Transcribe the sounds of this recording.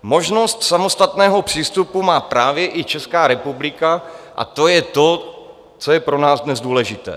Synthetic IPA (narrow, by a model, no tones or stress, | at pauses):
mo̞ʒno̞st̪samo̞st̪at̪nɛːɦo̞pr̝̥iːst̪upumaːpɾaːvjɛʔɪt͡ʃɛskaːɾɛpublɪkaʔa̰t̪o̞jɛt̪o̞ | t͡so̞jɛpɾo̞naːzdnɛzduːlɛʒɪt̪ɛ̰ː